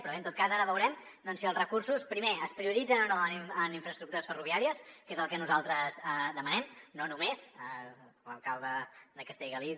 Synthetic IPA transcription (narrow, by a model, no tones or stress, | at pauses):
pɾɔent̪ot̪kazaɾəβəwɾɛm | d̪ɔnsiəlˠzrəkursuspɾimeəspɾiuɾid͡zənonoənəniɱfɾəst̪ɾuk̚t̪uɾəsfəruβiaɾiəskezəlˠkənuzalˠt̪ɾəzd̪əmənɛmnonumezə | lə̰lˠkalˠd̪əd̪əkəst̪eʎɣəli